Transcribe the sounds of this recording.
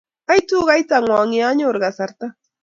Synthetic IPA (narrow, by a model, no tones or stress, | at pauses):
ajt̪uɢɑjt̪aŋwaŋiaɲoɾɢɑsaɾt̪a